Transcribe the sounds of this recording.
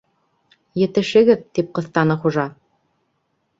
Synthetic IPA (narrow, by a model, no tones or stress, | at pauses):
jɘ̆t̪ɘ̆ʃɘ̆ɡɘðt̪ip̚qɤ̆θt̪ɑnɤχuʒɑ